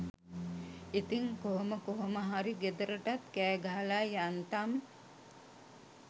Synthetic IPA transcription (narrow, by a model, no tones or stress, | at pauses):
it̪iŋkoɦoməkoɦoməɦaɾiɡed̪əɾəʈat̪kæːɡaɦalajjant̪am